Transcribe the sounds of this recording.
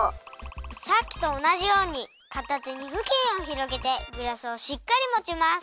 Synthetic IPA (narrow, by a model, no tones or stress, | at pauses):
sakʲːi̥t̪o̞ːnaʑijo̞ːɲ̟i | kat̪at͡seɲ̟iɸɯ̟kẽɰ̃o̞çiɾo̞ɡe̞t̪e̞ɡɯ̟ɾasɨo̞ɕikːaɾʲimot͡ɕimas